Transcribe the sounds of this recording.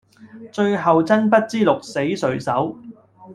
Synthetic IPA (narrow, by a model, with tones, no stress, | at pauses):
t͡ʃɵ˧ɥɦɐ˨wt͡sɐ˥npɐ˥t̚t͡siː˥lʊ˨k̚se˨˥jsɵ˨ɥsɐ˨˥w